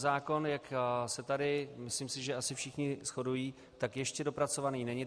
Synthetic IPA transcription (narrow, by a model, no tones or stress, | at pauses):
zaːko̞njaksɛt̪adɪmɪsliːmsɪʒɛasɪfʃɪxɲɪsxo̞dujiː | t̪akjɛʃcɛdo̞pɾat͡so̞vaniːnɛɲɪ